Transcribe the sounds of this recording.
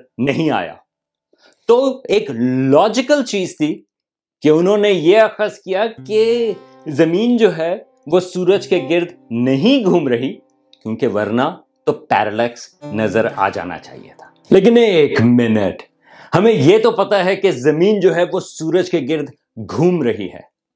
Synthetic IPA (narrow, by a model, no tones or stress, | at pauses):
nɐɦĩa̰ːja̰ː | t̪oeːklɔːd͡ʒɪkəlt͡ʃiːzt̪ʰi | keʊnɦõnejeɐxəskijake | zɐmiːnd͡ʒoːɦɛ | ʋosuːɾəd͡ʒkeɡɪɾd̪ʱnɐɦĩɡʱuːmɾɐɦi | kjõːkeʋɐɾna | t̪opɛ̰ːɾəlɛːksnɐzəɾa̰ːd͡ʒa̰ːna̰t͡ʃa̰ːɦḭḛt̪ʰḁːleːkɪneeːkmɪnə̰ʈ | hɐmẽjet̪opɐt̪aɦɛkezɐmiːnd͡ʒoːɦɛʋosuːɾəd͡ʒkeɡɪɾd̪ʱ | ɡʱuːmɾɐɦḭɦɛ̰ː